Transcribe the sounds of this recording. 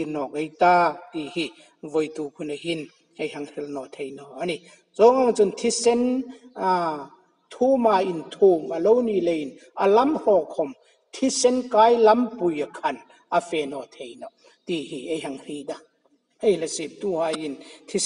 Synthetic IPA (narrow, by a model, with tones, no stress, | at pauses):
i˧˨nɔ˨k̚e˧˦jt̪aː˧t̪i˨hi˧ | vɔ˨jt̪u˨kʰu˧nɐ˨ɦi˧n | e˧jɦɐ˧ŋhi˧lnɔ˨t̪ʰe˧jnɔ˧ʔa˧ni˧ | zɔ˦ŋa˧˨ŋt͡su˧nt̪ʰi˦sɛ˦n | t̪ʰu˦maː˧˨ʔi˨nt̪ʰu˨mɐ˨lo˦wni˧˨le˧jʔi˨n | ʔɐ˨lɐ˦mhɔ˧˨kʰɔ˧˨m | t̪ʰi˦sɛ˦nka˦jlɐ˦mpu˨jɐ˨kʰɐ˨n | ʔa˨fɛ˨nɔ˨t̪ʰe˨jnɔ˨ | t̪i˧hi˨e˧˨jɦa˧˨ŋhi˧jda˧˨ | e˧jlɐ˨si˨p̚t̪u˧ha˧ji˨nt̪ʰi˦